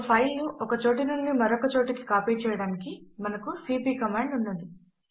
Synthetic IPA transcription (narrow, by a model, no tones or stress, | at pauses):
pʰɐjlnuʔɔkɐt͡ʃoːʈ̬ɐnuɳɖimɐɾɔkɐt͡ʃoːʈɐki̥kaːpiːt͡ʃɛːjɐɽaːnikimɐnɐkusiːpiːkɐmaːɳɖunːund̪i